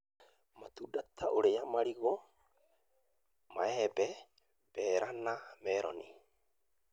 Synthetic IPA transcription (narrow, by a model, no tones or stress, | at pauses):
mat̪udatʰaʔoɾejamaɾiɣo | maɛbɛ | b̥ɛːɾʔanamɛɾɔ̰ni